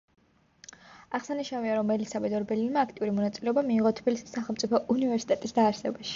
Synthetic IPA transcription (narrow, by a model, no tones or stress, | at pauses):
aʁsaniʃnaviaɾɔmːɛlisabɛd̪ɔɾbɛliɾmaːkʰt̪ʼiuɾimɔnat̪sʼilɛɔbamiːʁɔt̪ʰbilisi̥sːaχɛlˠmt̪sʼipʰɔʔunivɛɾsi̥t̪ʼɛt̪ʼisd̪aːɾsɛbaʃi̥